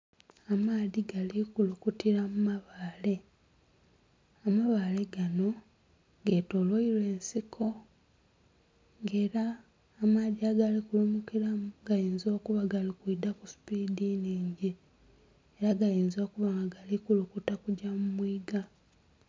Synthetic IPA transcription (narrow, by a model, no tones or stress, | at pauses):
amaːðiɡalikulukutiɾamumaβaːle̞ | amaβaːle̞ɡano̞ | ɡe̞to̞lwoiɾwe̞ːnsikʰo̞ | ŋɡe̞ːɾaː | maːðiaːɡalikulumukiɾamuɡ̥ajiːnzo̞ːkuβaɡalikuidakuspidiniːɲɟi | eɾaɡajiːnzo̞ːkuβaŋɡaɡalikulukutakuɟamumwiːɡa